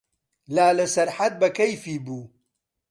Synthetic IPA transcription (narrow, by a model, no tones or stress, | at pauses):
laːlɐsɐɾħat̪̚bɐkɐjfiːbuː